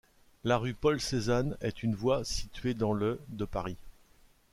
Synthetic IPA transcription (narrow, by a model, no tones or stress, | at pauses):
laʁypɔlsezanɛ̰t̪ʰynvwasit̪ɥed̪ɑ̃ləd̪əpaʁi